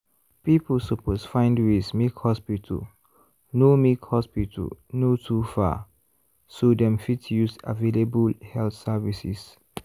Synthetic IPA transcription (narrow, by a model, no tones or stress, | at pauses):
pipəlsəpʰosfãɪ̃ndwesmikhɔspitʰə̰l | nomikhɔspitʰə̰lnotʰufa̰ | sodɛ̃mfitjusa̰velebəlhɛlθsavisḭs